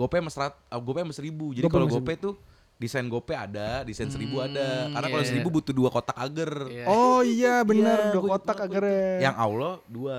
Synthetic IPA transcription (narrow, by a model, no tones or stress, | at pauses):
ɡopeməsɾat̪̚əɡopeməsəɾibud͡ʒadikaloɡopɛt̪u | disajnɡopɛadadisajnsəɾibuadakarnakalosəɾibubut̪uduakot̪akaɡərɔijabənərduakot̪akaɡərjaŋa̰wlɔdua